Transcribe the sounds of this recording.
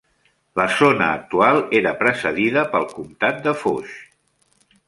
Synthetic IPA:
ləzonəːk̚t̪ualˠeɾəpɾəsəðiðəpəlˠkumt̪at̪̚d̪əfoʃ

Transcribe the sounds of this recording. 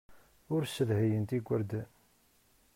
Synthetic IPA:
ʊɾsəlhæjənt̪iɡʷːəɾd̪æ

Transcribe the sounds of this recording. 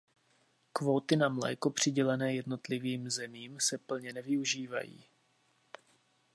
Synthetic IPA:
kvo̞t̪ɪnamlɛ̰ːko̞pr̝̥ɪɟɛlɛnɛːjɛdno̞t̪lɪviːmzɛmiːmsɛpl̩ɲɛnɛvɪuʒiːva̰jḭː

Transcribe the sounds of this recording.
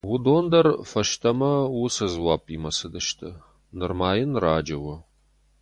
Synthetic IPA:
wʊdoːndɐrfɐʃtʰɐmɐwʊsɐzwaːpʰimɐsɨdɐʃtʰɐ | nɨrmaːjɪnraːd͡ʒɐwɐ

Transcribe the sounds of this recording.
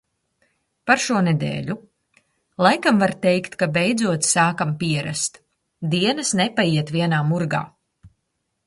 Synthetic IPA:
paɾʃuɔnɛd̪ɛ̰ːʎʲu | lˠajkamvaɾt̪ɛjkt̪kabɛjd̪zuɔt̪ssaːkampiɛɾa̰st̪ | d̪iɛnɐsnɛpajiɛt̪viɛnaːmuɾɡa̰ː

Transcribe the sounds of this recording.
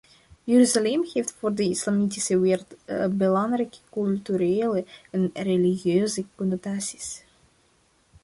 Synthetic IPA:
jøɾyzalɛmɣejftfoːrdəislamitisəʋeːrtbəlɑŋrɛjkə̥kylˠtyɾeːləɛnreliɣjøːzəkɔnɔtaːsi̥s

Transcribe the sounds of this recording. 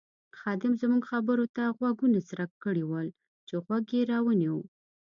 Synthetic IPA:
xɑd̪ɪmzmuɡxabəɾot̪aɣwaɡunasɾakːəɽiwəl | t͡ʃeɣwaɡjeɾɑwəniwu

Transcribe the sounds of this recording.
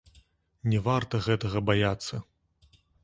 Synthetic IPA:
nʲɛvart̪ɐɣɛt̪ɐɣɐbajat̪sːɐ

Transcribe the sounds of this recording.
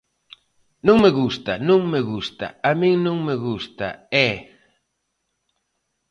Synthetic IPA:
nõŋmeɣust̪ɐnõŋmeɣust̪a̰amĩŋnõŋmeɣust̪a̰ɛ

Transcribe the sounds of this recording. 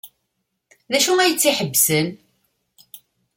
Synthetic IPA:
ðæʃuæjət͡sːiħəbːsən

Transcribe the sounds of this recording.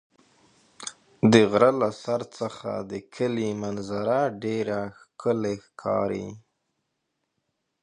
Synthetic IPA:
d̪əɣɾalasaɾt͡səxa̰d̪əkʰəlimanzaɾaɖeɾaxkʰəlexkʰɑ̰ɾḭ

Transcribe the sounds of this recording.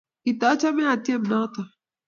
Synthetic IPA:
it̪at͡ʃamẽat̪jɐmnat̪a

